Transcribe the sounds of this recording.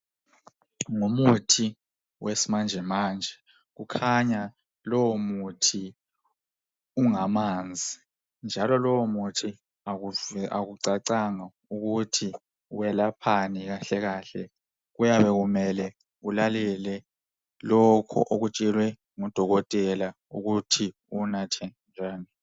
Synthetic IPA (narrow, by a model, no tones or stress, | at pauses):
ŋumutʰi | wesimand͡ʒʱɛmaːnd͡ʒʱɛ | ɣ̬ukʰaɲa | lɔwɔmutʰi | uŋamaːnd͡zʱi | nd͡ʒʱalɔlɔwɔmutʰi | aaɣuǀaǀaŋa | uɣutʰi | wɛlapʰaniɣaɬɛɣaːɬɛ̰ | ɣujaβɛɣumɛlɛ | ulalɛlɛ | lɔkʰɔ̰ʔoɣut͡ʃʼɛlwɛ | ŋɔd̥ʱɔɣɔtʼɛla | uɣutʰi | unatʰɛnd͡ʒʱaːni